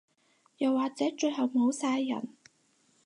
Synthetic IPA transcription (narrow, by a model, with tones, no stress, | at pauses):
jɐ˨wːaː˨k̚t͡sɛː˨˥t͡ʃɵ˧ɥɦɐ˨wmo˨˧wsaː˧jːɐ̰˨˩n